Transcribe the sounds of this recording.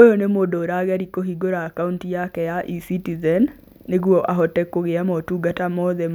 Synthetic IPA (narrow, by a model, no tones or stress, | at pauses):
ojɔnemoːdɔːɾaɣaɾikoɦiɡoɾaːkauntijakɛjaʔisitizɛnː | eɣwɔʔaɦɔtɛkoɣeamɔtuːɡatamɔðɛm